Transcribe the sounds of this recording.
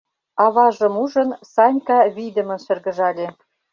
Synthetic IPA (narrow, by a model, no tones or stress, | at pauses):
ɑβɑʒə̆muʒə̆nsɑnʲkɑβid̪ə̆mə̆nʃɘ̆rɣə̆ʒɑlʲe